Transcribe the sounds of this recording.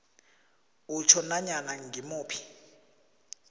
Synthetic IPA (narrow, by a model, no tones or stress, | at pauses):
ut͡ʃʰɔnaɲanaŋɡimuːpʰi̥